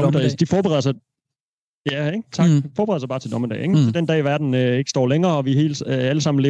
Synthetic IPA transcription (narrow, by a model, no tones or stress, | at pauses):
ɒmd̥ɛsd̥ifɒːb̥eʁɛðˠɐsɑɪ | jæ̥t͡sʰɑ̈ɡ̥fɒːb̥eʁɛðˠsɑɪbɑ̈ːt͡sʰe̝dnɒ̽məd̥ɛ̰ɪeŋfɒd̥end̥ɛ̰ːʋæɐd̥n̩øeɡ̥əsd̥ɒ̰ːleŋɐːɒ̽ʋiɦe̝̰ːlæləsɑ̈m̰n̩le